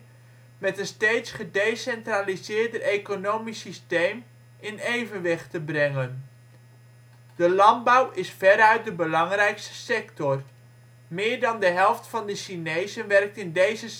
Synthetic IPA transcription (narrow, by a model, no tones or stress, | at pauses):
mɛtənstejtsχədejsɛntralizɪːɹdəejkonowmisistejm | ɪnejvənʋɪχtəbrɛŋən | d̥əlɑndbʌwʔɪsfɛɾœɥt̚dəbəlɑŋrɛjkstə̥sɛktɔr | mɪːɹdɑndəɦɛlˠftfɑndəʃinejzənʋɛrk̚tɪndejzə